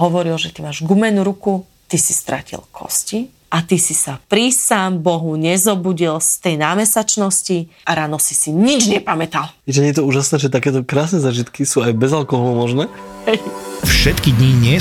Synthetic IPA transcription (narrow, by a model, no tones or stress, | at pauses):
ɦɔʋɔɾilʒɛt̪imaːʒɡumɛnuɾuku | t̪isi̥st̪ɾa̰cḭlkʰɔ̰sci | ʔat̪isisapɾisaːmbɔɦuɲɛzɔbuɟilst̪ɛjnaːmɛsat͡ʃnɔsciaɾaːnɔsi̥siɲid͡ʒɲɛpamɛt̪al | iʒɛɲjɛt̪̬ɔuːʒasnɛːʒɛt̪akɛːt̪ɔkɾaːsnɛzaːʒit̪kisuːajbɛzalkɔɦɔlumɔʒnɛː | hɛjfʃɛt̪kid̪ɲiɲɪɛ